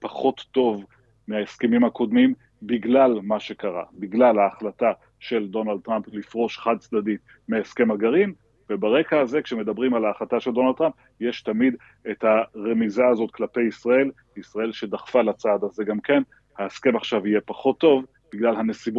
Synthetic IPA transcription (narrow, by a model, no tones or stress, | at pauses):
paχo̞t̪ːo̞v | meaeskemimhako̞d̪mim | biɡlalmaʃe̞kaʁa̰biɡlalhaːχlata | ʃe̞ld̪o̞nald̪̚tʁamplifʁo̞ʃχad̪̚t͡sdadit̪ | meeske̞maɡaʁim | vebaʁe̞kaːze̞kʃe̞me̞dabʁimalaːχlat̪aʃeldonald̚t̪ʁamp | jeʃtamid̪ | ethaʁe̞mizaːzo̞t̪klape̞jisʁae̞l | isʁae̞lʃe̞daχfalat͡saːd̪aze̞ɡamke̞n | haeske̞maχʃavije̞paχo̞t̪ːo̞v | b̥iɡlalhanesib